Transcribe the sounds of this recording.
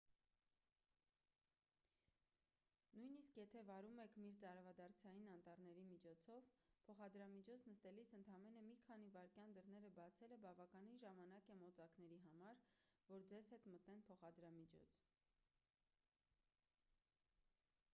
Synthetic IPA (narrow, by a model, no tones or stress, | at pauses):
nujniskjɛt̪ʰɛvɑɾumɛkʰmiɾt͡sɑɾvɑd̪ɑrt͡sʰɑjinɑnt̪ɑɾnɛɾimit͡ʃʰɔt͡sʰɔvpʰɔχɑd̪ɾɑmit͡ʃʰɔt͡sʰnəst̪ɛlisənt̪ʰɑmɛnəmikʰɑnivɑɾkjɑnd̪əɾnɛɾəbɑt͡sʰɛləbɑvɑkɑninʒɑmɑnɑkɛmɔt͡sɑknɛɾiɦɑmɑɾvɔɾd͡zɛzhɛt̪mət̪nɛnpʰɔχɑd̪ɾɑmit͡ʃʰɔ̰t͡sʰ